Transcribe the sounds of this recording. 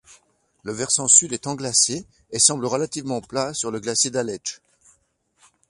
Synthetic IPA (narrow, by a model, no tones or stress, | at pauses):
ləvɛʁsɑ̃syd̪ɛt̪ɑ̃ɡlaseː | sɑ̃bləʁəlat̪ivmɑ̃plasyʁləɡlased̪alɛʒ